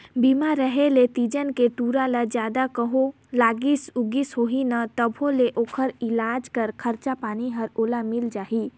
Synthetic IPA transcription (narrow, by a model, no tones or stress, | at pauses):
biːmaɾəɦelet̪id͡ʒənkeʈuːɾalad͡ʒjaːd̪akəɦo | laːɡɪsʊɡisɦoːɦinat̪əbʱõleʔoːkʰəɾɪlaːd͡ʒkɐɾkʰɐɾt͡ʃapaːniɦɐɾoːlamɪld͡ʒaːɦi